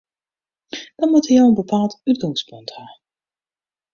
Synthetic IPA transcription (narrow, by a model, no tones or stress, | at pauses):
d̥ɑnmutəjawənbəpaːlˠtytɔŋspɵnthaː